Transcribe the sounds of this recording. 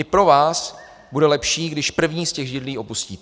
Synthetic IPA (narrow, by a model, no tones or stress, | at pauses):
ɪpɾo̞vaːs | budɛlɛpʃiːɡdɪʃpr̩vɲiːscɛɣʒɪdliːʔo̞puscḭː